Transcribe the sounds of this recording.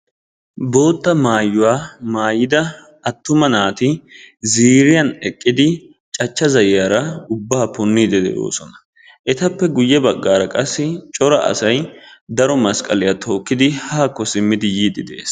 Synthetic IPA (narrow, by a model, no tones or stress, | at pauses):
bo̞ːt̪ːɐmaːjːʊwaːmaːjɪd̪ɐ | ɐt̪ːʊmɐnaːt̪ɪziːɾɪjɐnɛkʼːɪd̪ɪ | t͡ʃʼɐt͡ʃːɐzɐjjaɾɐʊbːaːpɔnːiːd̪ɛd̪ɛ̰jo̰ːsɔnɐ̥ | ʔɛt̪ɐpːɛɡʊjːɛbɐɡːaːɾɐkʼɐsːɪt͡ʃʼɔɾɐʔɐ̰sɐjd̪ɐɾɔmɐskʼɐlɪjɐt̪ʰo̞ːkːɪd̪ɪhaːkːɔsɪmːɪd̪ɪjiːd̪ɪd̪ḛːs